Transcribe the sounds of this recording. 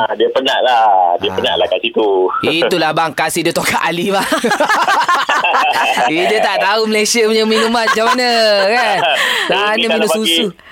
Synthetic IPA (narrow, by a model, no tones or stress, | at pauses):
adiəpəɲa̰ʔladiəpəɲa̰ʔlahkasit̪uiulahbaŋkasidiət̪okaʔaliba | idiət̪aʔt̪auməlesiəpəɲəminumanat͡ʃamanakansanəminususu